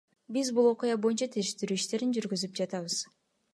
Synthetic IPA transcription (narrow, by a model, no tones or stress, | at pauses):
bizbulˠo̞qujɑbo̞jynt͡ʃat̪ʰeɾʃt̪yɾyːiʃt̪e̞ɾind͡ʒyɾɡyzyp̚d͡ʒɑt̪ɑβɯz̥